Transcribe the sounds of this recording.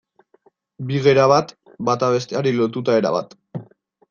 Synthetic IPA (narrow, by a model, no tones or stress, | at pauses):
biɣeɾaβat̪ | bat̪aβe̞st̪eaɾilo̞t̪ut̪ae̞ɾa̰βa̰t̪